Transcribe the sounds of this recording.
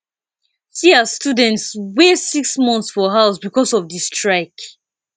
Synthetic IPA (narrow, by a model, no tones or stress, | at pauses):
siastjudɛ̃ntswesiksmɔ̃nθsfɔɦaʊsbikɔsɔvdistɹaɪk